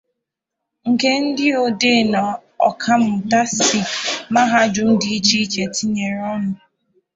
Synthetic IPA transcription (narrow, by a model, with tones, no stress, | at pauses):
ŋ̩˨ke˦n̩˦dɪ˦o˨de˦˨na˨ɔ̰˨kʰa˦m̩˨ta˦si˨ma˦ɦa˦d͡ʒʊ˦n̩˦dɪ˦i˦t͡ʃi˦i˦t͡ʃe˨tʰi˦ɲe˨ɾɔ˦nʊ˨